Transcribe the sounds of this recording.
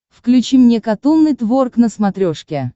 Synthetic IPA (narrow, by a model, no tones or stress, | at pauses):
fklʲʉt͡ɕimnʲekɐt̪unːɨjt̪vorknəsmɐt̪ɾʲoʂkʲɪ